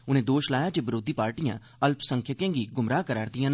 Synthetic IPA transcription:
ʊnẽːd̪oːʃlaːjaːd͡ʒeːbɪɾoːd̪iːpaːɾʈijã̰ː | əlpsəŋkʰjəkẽːɡiːɡʊmɾaːkəɾaːɾd̪ijãːn

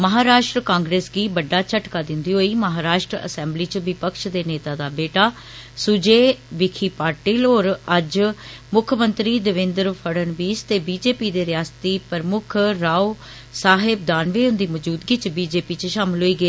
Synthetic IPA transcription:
məɦaːɾaːʃʈɾəkãːŋɡɾeːsɡiːbəɖːaːt͡ʃəʈkaːd̪ɪnd̪iːɦoːiːməɦaːɾaːʃʈɾəə̰sɛ̃ːmbliːt͡ʃʋɪpəkʃd̪eːneːt̪aːd̪aːbeːʈaː | sʊd͡ʒeːʋɪkʰiːpaːɾʈiːloːɾəd͡ʒmʊkʰəmənt̪ɾiːd̪əʋɪ̃nd̪ɾpʰəɽənʋiːst̪eːbiːd͡ʒeːpiːd̪eːɾɪjaːst̪iːpəɾmʊkʰɾaːu | saːɦɪb̚d̪aːnʋeːʊ̃nd̪iːməd͡ʒuːd̪ɡit͡ʃbiːd͡ʒeːpiːt͡ʃʃaːmɪlɦoːiːɡəeː

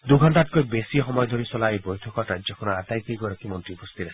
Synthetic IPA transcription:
d̪uɡʱɔnt̪at̚kɔjbesiɦɔmɔjɔd̪ʱoɾisɔlaebɔjtʰɔkɔʈad͡ʒɔkʰɔnɔatajk̪iɡɔɾɔkimɔntɾiupɔst̪ʰiɾa

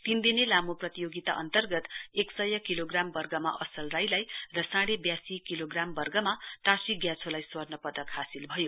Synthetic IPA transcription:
t̪ind̪inelamoprʌt̪ijoɡit̪a̰ʔʌ̰nt̪ʌrɡʌt̪eksʌjʌkiloɡrambʌrɡʌma̰ʔʌsʌlrajlajrʌsãɽebjasikiloɡrambʌrɡʌmaʈasiɡjãt͡sʰolajswʌrnʌpʌd̪ʌkɦasilbʱʌjo

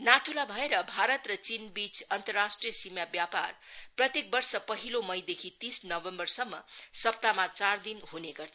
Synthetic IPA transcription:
nat̪ʰulabʱʌeɾʌbʱaɾʌt̪rʌt͡sinbit͡sʌnt̪ʌrːasʈrijʌsimjabjapa̰rprʌt̪jek̚bʌrsʌpʌɦilomʌjd̪ekʰit̪isnʌʋembʌrsʌmːʌ̰sʌp̚t̪amat͡sard̪inɦuneɡʌrt͡sʰ

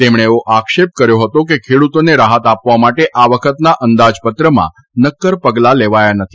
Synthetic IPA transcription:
t̪emɳ̃eoʔakʃep̚kəɾjoɦət̪ok̬ekʰeɽut̪oneɾaɦət̪apʋamaʈeʔaʋəkʰət̪naʔənd̪ad͡ʒpət̪ɾəmã̰ | nəkːəɾpəɡlaleʋajanət̪ʰi

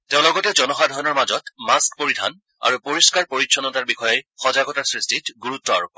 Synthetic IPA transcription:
teʊ̃lɔɡɔtɛd͡ʒɔnɔxadʱɔjnɔɹmazɔtmaskpoɹidʱa̰n | a̰ɹupoɹiskaɹpoɹitːʃʰɔnɔtaɹbixɔjɔjxɔzaɡɔtaɹsɹistitɡuɹutːɔa̰ɹup

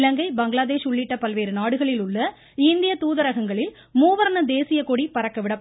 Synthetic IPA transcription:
lɐŋɡɐɪbɐŋɡɪɭaːðeːʂʊɭːɪʈːɐpɐlʋeːɾɯnaːɽɯɣɐɭɪlʊɭːɐ | ɪnd̪ɪjɐt̪uːðɐɾɐɣɐŋɡɐɭɪl | muːʋɐɾnɐd̪eːsɪjɐkoɽipɐɾɐkːɐʋɪɽɐpː

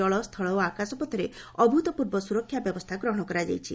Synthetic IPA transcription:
ɔɭɔst̪ʰɔɭɔwakasɔpɔt̪ʰɔɾe | ɔbʱut̪ɔpuɾbɔsuɾɔkʰːjabjɔbɔst̪ʰaɡɾɔɦɔɽ̃ɔkɔɾad͡ʒa̰jt͡ʃʰḭ

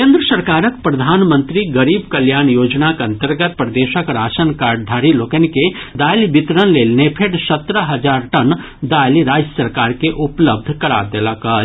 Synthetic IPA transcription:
kẽːnd̪ɾəsəɾkaːɾək̚pɾɐd̪ʱaːnmə̃nt̪ɾiɡəɾiːbkəljaːnjoːd͡ʒnakɐ̃nt̪əɾɡət̪̚pɾəd̪eːʃəkɾaːsənkaːɾɖ̚d̪ʱaːɾiloːkənked̪aːjlibɪt̪ɾənleːlneːpʰeʈsət̪ɾəɦɐd͡ʒaːɾʈən | d̪aːjliɾaːd͡ʒjəsəɾkaːɾkeʔʊpləb̚d̪ʱkɐɾa̰ːɾd̪elaka

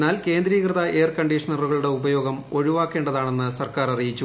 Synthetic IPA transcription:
naːlke̞ːnd̪ɾiːkrɨðɐʔe̞ːrkɐɳɖiʂɐnɐruɣɐɭuɽe̞ubɐjo̞ːɡɐmo̞ɻiʋaːkːe̞ːɳɖɐðaːɳe̞nːɨsɐrkaːɾɐrijit͡ɕːu

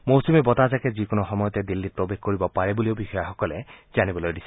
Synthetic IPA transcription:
mosumibɔtazakɛzikʊnɔxɔmɔjɔtɛdilːit̚pɹobexkoɹibɔpaɹɛbulioʊbixɔjaxɔkɔlɛzanibɔlojdisɛ

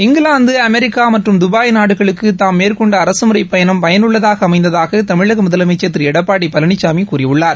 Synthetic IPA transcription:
ɪŋɡɯɭaːnd̪ɯɐmɛɾɪkːaːmɐʈrɯmd̪ʊbaːjnaːɽɯɣɐɭɯkːɯt̪aːmmːeːrkɔɳɖɐːɾɐsɯmɯɾɐɪpːɐjɐnɐmpɐjɐnɯɭːɐðaːɣɐːmɐɪnd̪ɐðaːɣɐt̪ɐmɪɻɐɣɐmʊðɐlɐmɪt͡ʃːɐt̪ːɪɾɛɽɐpːaːɽipɐlɐɳɪt͡ʃːaːmikuːɾɪɯɭːaːɾ

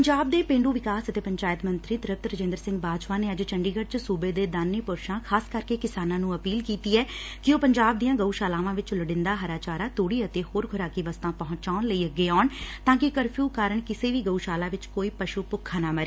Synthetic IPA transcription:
pəɲd͡ʒaːb̚d̪eːpẽːɳɖuːʋɪkaːsət̪eːpəɲt͡ʃaːjt̪mənt̪ɾiːt̪ɾəp̚t̪ɾəd͡ʒẽnd̪əɾsɪ̃ŋɡ̚baːd͡ʒpaːneːəd͡ʒt͡ʃəɳɖiːɡəʈt͡ʃsuːbeːd̪eːd̪aːnːiːpʊɾʃãːkʰaːskəɾkeːkɪsaːnãːnũːəpiːlkiːt̪iːɛːkɪoːpəɲd͡ʒaːb̚d̪ijãːɡəuːʃaːlaːʋãːʋɪt͡ʃləɽɪ̃nd̪aːɦəɾaːt͡ʃaːɾaːt̪oːɽiːət̪eːhoːɾɡʱʊɾaːkiʋəst̪ãːpɔɦʊ̃ɲt͡ʃaːnləiːəɡːeːaːɳt̪ãːkɪkəɾpʰjuːkaːɾəɳkɪseːʋiːɡəuːʃaːlaːʋɪt͡ʃkoːiːpəʃuːpʊkʰːãːnaːməɾeː

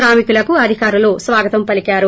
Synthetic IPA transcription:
ɾaːmikulɐkuɐd̪ʱikaːɾuloːsʋaːɡɐt̪ɐmpɐlikaːɾu

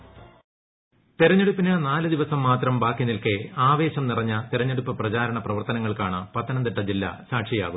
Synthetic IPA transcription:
t̪eɾɐɲːeɽupːinɐnaːlɨd̪iʋɐsɐmːaːt̪rɐmbaːkːinilkeaːʋe̞ːɕɐmnirɐɲːɐt̪eɾɐɲːeɽupːɨprɐt͡ɕaːɾɐɳɐprɐʋɐrt̪ɐnɐŋːɐɭkaːɳɨpɐt̪ʰːɐnɐnd̪eʈːɐd͡ʑilːɐ̰saːʈʂija̰ːɣum

